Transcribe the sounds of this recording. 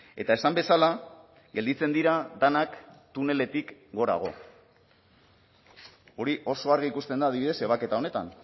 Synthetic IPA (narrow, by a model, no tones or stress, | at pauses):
e̞t̪ae̞sambe̞sala | ɡeld̪it͡se̞nd̪iɾad̪anakt̪une̞le̞t̪ikɡo̞ɾa̰ɣ̞o̞ | o̞ɾiʔo̞so̞aɾɣiikust̪e̞nd̪aːðiβiðe̞se̞β̞ake̞t̪ao̞ne̞t̪a̰n